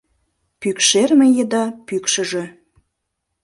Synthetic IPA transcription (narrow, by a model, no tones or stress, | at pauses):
pykʃermejed̪ɑpykʃə̆ʒe̽